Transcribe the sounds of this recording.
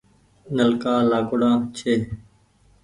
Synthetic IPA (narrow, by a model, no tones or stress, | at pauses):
nəlkaːlaːkʊɽãːt͡ʃʰeː